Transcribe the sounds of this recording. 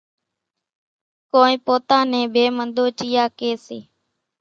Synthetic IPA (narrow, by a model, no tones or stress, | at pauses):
koːnĩːpoːt̪ãːnẽːbʱeːmənd̪oːt͡ʃiːjaːkeːsḛː